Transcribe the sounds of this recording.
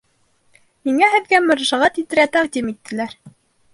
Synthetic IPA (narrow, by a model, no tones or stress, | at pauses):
miŋæɦɘ̆ðɡæmɑ̆ɾɑʃɑʁɑt̪it̪ɘ̆ɾæt̪æʁd̪imit̪ːɘ̆læɾ